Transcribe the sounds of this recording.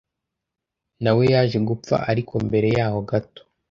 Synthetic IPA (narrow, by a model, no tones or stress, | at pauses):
nawe̞jaːʒe̞ɡup͡fa̰ʔaɾikʰombe̞ɾe̞jaːho̞ɡato̥